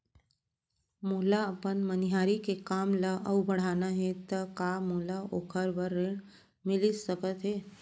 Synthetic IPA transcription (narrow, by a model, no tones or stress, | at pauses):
muɦlaəpənməniɦaːɾikekaːmlaʔəwbəɽ̤aːnaɦẽt̪əkamolaokʰəɾbəɾːeːɽ̃ | mɪlisəkət̪ɦeː